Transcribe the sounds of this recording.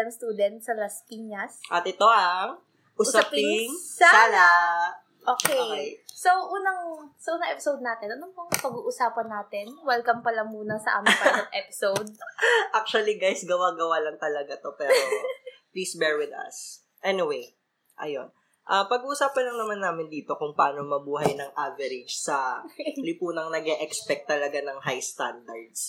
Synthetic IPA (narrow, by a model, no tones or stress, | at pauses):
ɐŋst̪uːd̪ɛnt̪̚sɐlaskiŋɐsʔɐt̪ɪt̪o̞ʔaŋ | ʔʊsaapɪŋŋsaːana | ʔoːkɛoesoʔuːnɐŋsɐʔuːnɐŋʔɛpɪ̥sowd̪̚naːt̪ɛnʔɐnompoŋpɐɡuːʔʊsaːpɐnːaːt̪ɪnwɐlkɐmpɐlɐŋmuːnɐsɐʔa̰ːmɪŋpɐlɐt̪ʔɛpɪsowd̪̚ʔak̚t͡ʃʊɐliɡajsɡɐwaːɡɐwalɐŋt̪ɐlɐɡat̪o̞pɛːɾopliːsbɛɹwɪd̪ɐ̰s | ʔɛniwej | ʔɐ̰jon | ʔapɐɡ̚uːʔʊsaːpɐnlɐŋnɐmanːaːmɪnd̪iːt̪o̞kʊŋpɐʔaːno̞mɐbuːɦɐjnɐŋʔavɛɾɪd͡ʒsɐlɪpuːnɐŋnɐɡɛʔɛkspɛk̚t̪ːɐlɐɡanɐŋhajst̪and̪ɐɹd̪s